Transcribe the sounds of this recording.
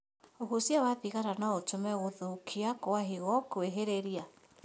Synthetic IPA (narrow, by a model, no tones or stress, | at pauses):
oɦosjawaðiɣaɾanaotomɛɣoðokʰiakoaɦiɣɔkoeɦeɾeɾia